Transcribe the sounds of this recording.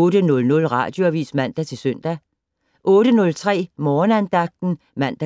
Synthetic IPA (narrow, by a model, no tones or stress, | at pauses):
ɔːɾ̥ənɔ̽lnɔ̽lʁɑ̰̈ːd̥jo̝æʋḭːsmæn̰d̥æt͡sʰe̝lsøn̰d̥æ | ʔɔːɾ̥ənɔ̽lt͡sʰʁɛ̰ːmɒːnænd̥ɑ̈ɡ̥̚d̥n̩ | mæn̰d̥æ